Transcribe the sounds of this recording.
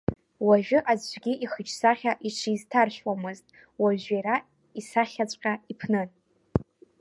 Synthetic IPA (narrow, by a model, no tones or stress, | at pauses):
waʒᶣʊʔazʒʷɡʲiʔiχət͡ʃʰsaχʲaʔiʈ͡ʂʰiztʰarʃʷᶣwamɨztʼ | waʒaɾa | isaχʲat͡ɕʷʼqʲʼaipʰnɨn